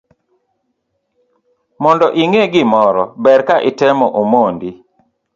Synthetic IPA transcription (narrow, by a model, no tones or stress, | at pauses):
mɔndɔʔiŋeɡɪmɔɾɔbɛɾkaʔɪtɛmɔʔomondi